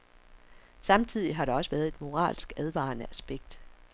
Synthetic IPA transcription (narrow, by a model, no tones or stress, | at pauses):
sɑ̈mt͡sʰið̞̰ˠiɦɑ̈ɾeɒ̽səʋæːɐð̞̩ˠe̝d̥mo̝ʁɑ̰̈ːlsɡ̥æð̞ˠʋɑ̰̈ːnəʔæsb̥eɡ̥̚d̥